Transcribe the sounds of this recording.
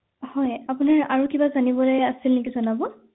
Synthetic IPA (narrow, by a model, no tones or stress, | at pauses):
hɔjapunaɹaɹukibazanibɔlojasilnɛkizɔnabɔ